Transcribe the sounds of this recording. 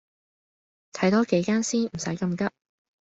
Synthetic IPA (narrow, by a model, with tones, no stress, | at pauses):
t̪ʰɐ˨˥jt̪ɔː˥ke˨˥jkaː˥nsiː˥nm̩˨˩sɐ̰˨˥jkɐ˧mkɐ˥p̚